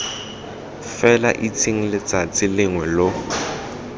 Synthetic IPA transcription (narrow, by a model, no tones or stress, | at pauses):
fɛla̰ʔit͡sʰʼiŋ̩lɪt͡sat͡sʼɪlɪŋwɛlo